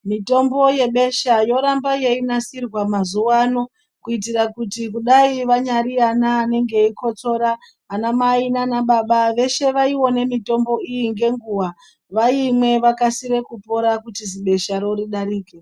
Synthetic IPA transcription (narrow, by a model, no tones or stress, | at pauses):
mito̞mbo̞je̞ɓe̞ʃajo̞ɾambaje̞inasirwamazuwano | kuitirakutikuɗaiʋaɲaɾianaːne̞ŋɡe̞iko̞t͡so̞ɾa | ɦanamainanaɓaɓaʋe̞ʃe̞ʋaiwo̞ne̞mito̞mbo̞ijiŋɡe̞ŋɡuwa | ʋaimwe̞ʋakasiɾe̞kupo̞ɾakutiziɓe̞ʃaɾo̞ɾiɗaɾiːke